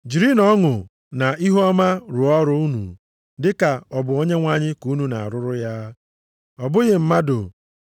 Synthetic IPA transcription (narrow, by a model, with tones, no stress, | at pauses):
d͡ʒi˨ɾi˦nɔ˦ŋʊ˨ | na˨i˦ɦa˦ma˦ɾʊ˨ɔ˦ɾʊ˦u˦nṵ˨ | dɪ˦ka˨ɔ˨bʊ˨o˦ɲe˦ŋʷa˦ɲɪ˦ku˨˦nu˨na̰˨a̰˨ɾʊ˦ɾʊ˦ja˦ | ɔ˨bʊ˦ɣɪ˨m̩˦ma˦dʊ̰˨